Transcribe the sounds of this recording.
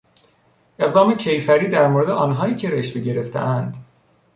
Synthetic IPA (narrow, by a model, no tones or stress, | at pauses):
ʔe̞ɣd̪ɒːmecʰe̞jfæɾiːd̪æɾmoɾe̞d̪eʔɒːnɦɒːiːcʰe̞ɾeʃveɟe̞ɾe̞ft̪ʰḛʔænd̪